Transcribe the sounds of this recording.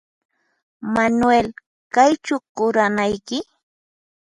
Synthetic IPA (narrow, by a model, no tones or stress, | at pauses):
manwel | kajt͡ʃʊkʊɾanajkɪ